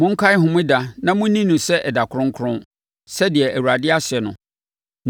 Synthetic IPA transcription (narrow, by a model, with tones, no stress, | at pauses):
mʊ̃˦ŋ̩˦kʰa˦ɪ˦ɦʊ̃˨mʊ̃˦da˦nã˦mʊ̃˦nĩ˦nʊ̃˨sɛ˦ʔɛ˨da˨kʰʊ˦ɾʊ̃˦ŋ̩˦kʰʊ˦ɾʊ̃˦n | sɛ˦dɪ˨ɛ˨ʔæ˨wu˨ɾa˨dɪ˦a˦sɪ˨ɛ˨nʊ̰̃˨